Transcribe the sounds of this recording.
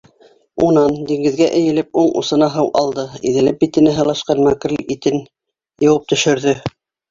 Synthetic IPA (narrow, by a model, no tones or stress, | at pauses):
unɑnd̪iŋɡɘ̆ðɡæʔɘ̆jɘ̆lɘpuɴṵsɤ̆nɑɦɤwʔɑ̰lˠd̪ɤḭðɘ̆lɘp̚bit̪ɘ̆næɦɤ̆lˠɑʃqɑnmækɘ̆ɾlit̪ɘn | jɤ̆wɤp̚t̪ɵ̆ʃɵ̆ɾðɵ